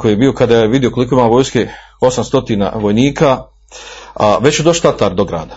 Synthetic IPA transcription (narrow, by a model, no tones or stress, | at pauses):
kojiːjebiːo̞kad̪ajjeʋid̪jijokoliko̞imaːʋo̞ːjske | o̞samst̪o̞t̪iːna̰ʋo̞jniːkʰa | ʋe̞t͡ɕjed̪oʃt̪at̪aɾd̪oɡɾa̰ːd̪ḁ